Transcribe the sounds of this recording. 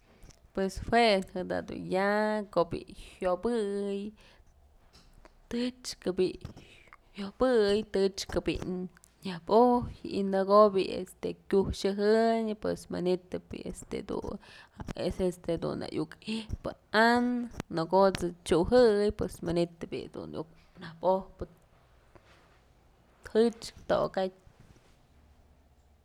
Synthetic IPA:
pweshwehɨd̪a̰d̪ṵnjakoʔbḭhjobɨj | t̪ɨt͡ʃkɨbi | hjobɨjt̪ɨt͡ʃkɨbḭ | ɲahbojḭnɨɡobiḛst̪ekʲuʃɨɦɨɲɨpwesmɨnit̪ɨpḭḛst̪ḛd̪ṵ | esest̪ed̪ṵna̰ʔjukipɨ̰anɨnɨɡot͡sɨt͡ʃuɦɨɨjpwesmanit̪ɨpḭd̪ṵnjuk | nahpohpɨ | hɨt͡ʃt̪o̰katʲ

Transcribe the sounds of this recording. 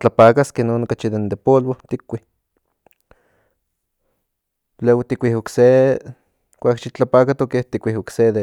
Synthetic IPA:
t͡ɬapakaskenoːnokat͡ʃid̪end̪epolwot̪ikʷːih | lewt̪ikʷihokse | kʷakʃit͡ɬapakat̪okeht̪ikʷihokseðe

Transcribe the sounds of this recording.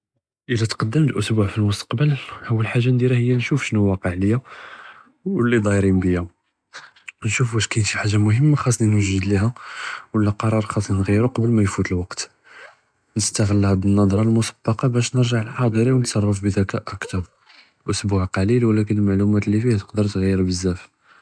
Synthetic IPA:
ʔəlːæt̪qɑd̪ːəməlʔʊsbuʕfilmʊst̪ɑ̥qbəlhwːəlħaʒːand̪iɾæhəjːænʃufʃnuwɑqəʕləjːæ | wəlːid̪ˤɑjɾinbəjːæ | nʃufbæʃkæjnʃiħaʒːamʊɦəmːaxɑs̬ˤːninwəʒəd̪liæwəlːæqɑɾˤɑɾˤxɑsˤninɣiɾuqɑbəlmæjfut̪əlwɑqt̪ | nəst̪əɣəlːhæb̪ənːɑd̪ˤɾˤɑlmʊsɑ̥bːɑqɑbæʃnəɾʒaʕlħɑd̪ˤɾiwnət̪sˤɑrˤːɑfbəd̪ækæʔəkt̪ɑɾˤ | ʔʊsbuʕqɑlilwəlæk̬ənəlmaʕlumæt̪lːifihæt̪ə̥qd̪əɾˤt̪ɣæjːəɾbəzːæf

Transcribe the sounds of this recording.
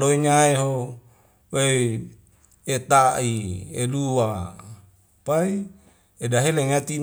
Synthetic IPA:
loiɲaeɦo | we | et̪aiḛluwa | pai | edaɦeleŋat̪i

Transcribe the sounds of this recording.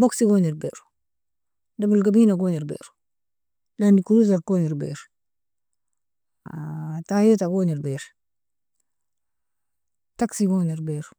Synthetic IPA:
boksiɡoniɾbḛɾ | dabulɡabiːnaɡoniɾbḛːɾ | landikuɾuz̬alkoniɾbḛːɾ | atajetaɡoːniɾbeɾ | taksiɡoːniɾbeɾ

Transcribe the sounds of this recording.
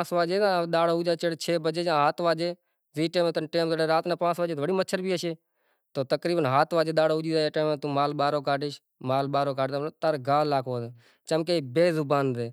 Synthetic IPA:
pãːsʋaːd͡ʒeːãːɗ̪aːɽoːud͡ʒaːt͡ʃeɽet͡ʃʰeːbəd͡ʒeːd͡ʒãːɦaːt̪ʋaːd͡ʒeː | ziːʈeːmet̪nʈeːmt̪ːɽeːɾaːt̪nãːpãːsʋaːd͡ʒeːʋəɽiːmətːt͡ʃʰʃʰəɾbiːəʃeː | t̪oːt̪əkɾiːbənɦaːt̪ʰʋaːd͡ʒeːɗ̪aːɽoːʊd͡ʒiːzaːeːʈeːmeːt̪ũːmaːlɓaːɾoːkaːʈɪʃ | maːlɓaːɾoːkaːt̪ːot̪əɾɡaːlːaːkʰoːt̪eː | t͡ʃəmk̬eːbeːzʊbaːnd̪eː

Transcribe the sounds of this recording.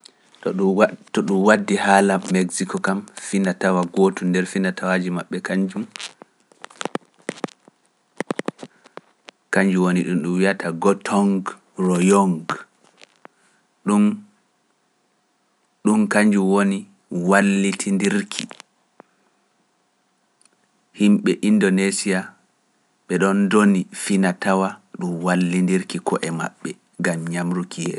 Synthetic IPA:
tɔɗumwadːihaːlaːeɡsikɔkamfindatawaɡoːtundɛɾfindatʰawad͡ʒimaɓːɛkaɲd͡ʒum | kaɲd͡ʒuwoniɗumɗumwijatʰaɡɔtʰɔŋɡ | rɔjɔŋɡ | ɗum | ɗumkaɲd͡ʒuwoni | walːitʰindiɾkʰi | himɓɛʔindɔnesia | ɓɛɗɔndonifinatawaɗumwalːindiɾkikʰɔʔɛma̰ɓːɛ | ŋɡamɲamɾukʰijɛ̰ːsɔ

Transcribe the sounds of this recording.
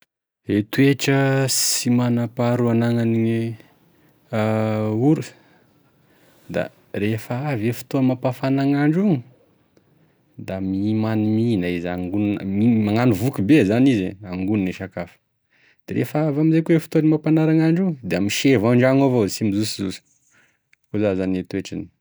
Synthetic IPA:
et̪ueʈ͡ʂəsimanapaɾuanaŋanie | uɾu̥ | d̪a̰ | ɾefəavefi̥t̪omapafanaŋaɳɖ͡ʐuŋi | d̪amimaniminaizaŋɡunnəmimaŋanuvukubezanizeaŋɡuniniʃakafə̥ | d̪̥eɾʔḛfaavamizekuefi̥t̪onimapanaɾaŋaɳɖ͡ʐuŋəd̪eamiʃevaɳɖ͡ʐaŋovosimizusizusi̥ | kozazanet̪ueʈ͡ʂani̥

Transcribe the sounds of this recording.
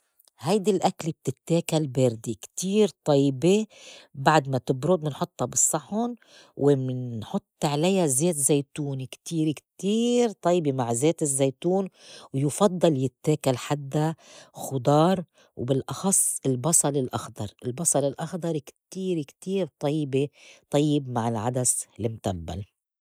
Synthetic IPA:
hajd̪ilʔaklib̚t̪ɪt̪ːeːkalbeːɾd̪ikt̪iːɾt̪ˤɑjːbebaʕd̪mat̪ɪbɾʊd̪̚mɪnħʊt̪ˤːhɑbɨsˤːɑħʊn | wʔɪmɪnħʊt̪ˤːʕlajazeːt̪zejt̪uːnikt̪iːɾɪkt̪iːɾt̪ˤɑjbemaʕzeːt̪ɪzːeːt̪uːnwjʊfɑd̪ˤːɑljɪt̪ːeːkalħad̪ːaxʊd̪ˤɑːɾˤ | wbɪlʔɑxɑsˤːɪlbɑsˤɑlɪlʔɑ̰xd̪ɑ̰ɾˤɪlbɑsˤɑlɪlʔɑxd̪ˤɑɾˤkt̪iːɾɪkt̪iːɾt̪ˤɑjːbet̪ˤɑjːɪbmaʕɪlʕad̪aslɪmt̪abːa̰l

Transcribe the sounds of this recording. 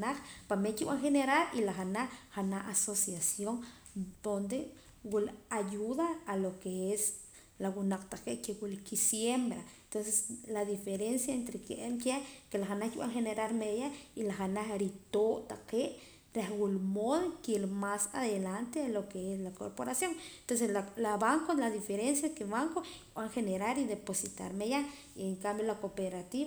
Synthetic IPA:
naχpamekiwaŋxeneɾalilaχanaχhanaasosjasjoŋ | d̪̥ond̪e | wilajuðaːlokees | lawunaq͡χt̪aqeʔkewulkisjembɾaent̪ons̬eslaðifeɾensjaent̪ɾekeʔemkekelaxanaxkiɓa̰ŋxeneɾalmejailaχanaχɾit̪oʔt̪aqeːʔ | ɾehwulmoðokelmasa̰ðelant̪eelokeeslako̰ɾpoɾasjoŋent̪onseslalaβaŋkolaðifeɾens̬jakeβaŋkokɓaŋxeneɾaɾid̪eposit̪a̰ɾmeja | ieŋkambjolakopeɾat̪iβa

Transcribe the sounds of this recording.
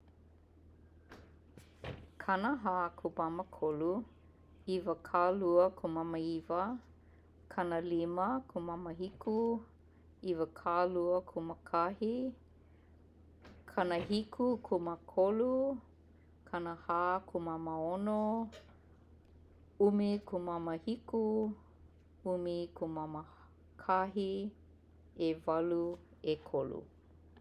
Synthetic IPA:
kʰanəɦaːkʰubaməkʰolu | ivəkʰaluəkʰumaməivə | kʰɐnəliməkʰumɐməɦikʰu | ivəkʰaluəkʰuməkʰahi | kʰanəɦikʰukʰuməkʰolu | kʰɐnəhakʰumamaono | umikʰumaməhiku | umikʰumamə | kʰaɦi | evɐlu | ekʰolṵ

